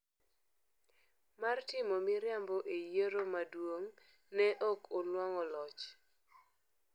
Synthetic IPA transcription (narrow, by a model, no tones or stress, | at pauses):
martɪmomiɾjambɔʔejeɾomadwoŋ | nɛʔɔkɔlwɔŋɔlɔt͡ʃ